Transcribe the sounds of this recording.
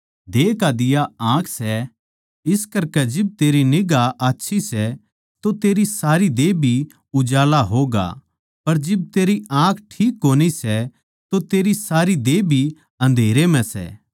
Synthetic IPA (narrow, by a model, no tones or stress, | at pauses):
d̪eːkad̪ɪjaãːkʰsɛ | ɪskɐɾkɛd͡ʒɪb̚t̪eːɾinɪɡaʔaːtːʃʰisɛ | t̪ot̪eːɾisaːɾid̪eːbʱi | ʊd͡ʒaːlaɦoːɡa̰ | pɐɾd͡ʒɪb̚t̪eːɾiãːkʰʈʰiːkːoːnisɛ | t̪ot̪eːɾisaːɾid̪eːbʱi | ɐ̃n̆d̪ʱeːɾem̤ɛ̃sɛ̰ː